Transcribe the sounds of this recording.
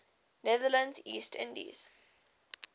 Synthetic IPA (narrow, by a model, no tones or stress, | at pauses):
nɛðələ̃ndziːstʰɪ̰̃ndḭz̥